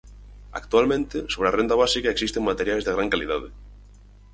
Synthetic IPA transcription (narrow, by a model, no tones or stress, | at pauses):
a̰kt̪ualmẽnt̪ɪsoβɾearend̪aβ̞asikaeksist̪eŋmat̪eɾjajzðeɣɾaŋkalið̞aðɪ